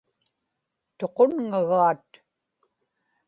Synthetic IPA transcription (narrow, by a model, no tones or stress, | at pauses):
t̪o̞qo̞nŋaɣaːt̪